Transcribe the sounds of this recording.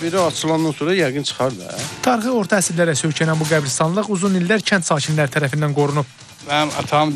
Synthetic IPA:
beɾaɑt͡ʃʰɯlˠɑnd̪ɑnsoɾɑjæɡɯnt͡ʃʰɯ̥χɑɾd̪ɯ̰t̪ʰɑɾχɯo̞ɾt̪ʰɑæsiɾlæɾæsøcʰænænbuɡæbɾist̪ɑnlˠɯʁuzunilːæɾcʰænt̪sɑːcʰinlæɾt̪ʰæɾæfind̪ænɡo̞ɾunup̚ | mænɑ̰t̪ʰɑm

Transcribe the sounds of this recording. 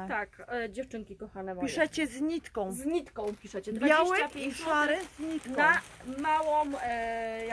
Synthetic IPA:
t̪akd͡ʑɛft͡ʂɘŋkʲikɔxanɛpiʂɛt͡ɕɛzɲit̪kɔ̃w̃zɲit̪kɔ̃w̃pʲiʂɛt͡ɕɛt̪ɾbajawɛapʲjiʂaɾɪzɲit̪kɔnamawɔ̃w

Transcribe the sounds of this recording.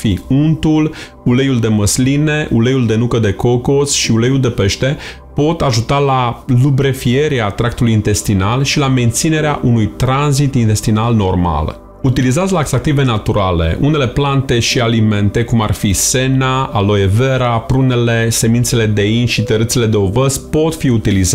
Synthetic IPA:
fiunt̪ul | ulejuld̪e̞məsline̞ʔule̞juld̪e̞nukəd̪e̞ko̞ko̞sʃiulejuld̪e̞pe̞ʃt̪e̞ | po̞t̪aʒut̪alalubɾe̞fie̞ɾeat̪ɾak̚t̪ulujint̪e̞st̪inalʃilame̞nt̪sine̞ɾeaʔunujt̪ɾanzit̪int̪e̞st̪inalno̞rma̰l | ut̪ilizat̪sʲlaekzak̚t̪ive̞nat̪uɾale̞̰ʔune̞le̞plant̪e̞ʃialime̞nt̪e̞kumarfise̞naalo̞jeve̞ɾapɾune̞le̞se̞mint̪se̞le̞d̪e̞inʃit̪əɾɨt̪sele̞d̪eo̞vəzpo̞t̪fiut̪iliza

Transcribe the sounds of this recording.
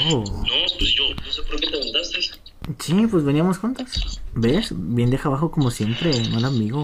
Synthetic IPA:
onopesjot̪onsekɾeket̪eɣunt̪ast̪es | t͡ʃipwe̞zβe̞niamo̞sxunt̪asbesbje̞nd̪exaβaxoko̞mo̞sje̞mpɾe̞noelambiɣo

